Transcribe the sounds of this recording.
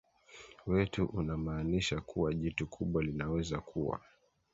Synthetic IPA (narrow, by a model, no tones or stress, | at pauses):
wɛtuʔunamaːniʃakuwaʄitukʰuɓwalinawɛzakʰuwa̰